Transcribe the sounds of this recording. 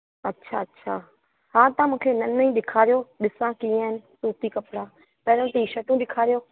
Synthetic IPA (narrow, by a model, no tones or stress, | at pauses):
ɐtːʃʰaɐtːɕʰaː | hãːt̪ãmũːkʰenɐnəĩɗɪkʰaːɾijoɗɪsãkĩːaːɦɪnɪ̆suːt̪ikɐpɽaː | pɐɦɾə̃t̪iʃɐʈũɗɪkʰaːɾijoː